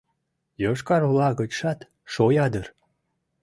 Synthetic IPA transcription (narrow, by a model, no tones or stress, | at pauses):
joʃkɑɾolɑɣət͡ɕʃɑt̪ | ʃojɑd̪ər